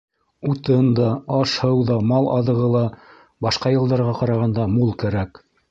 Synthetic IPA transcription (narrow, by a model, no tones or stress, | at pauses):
ut̪ɤnd̪ɑɑʃhɤwðɑmɑlˠʔɑ̰ðɤ̆ʁɤlˠɑ | bɑʃqɑjɤ̆lˠd̪ɑɾʁɑqɑɾɑʁɑnd̪ɑmulˠkæɾæk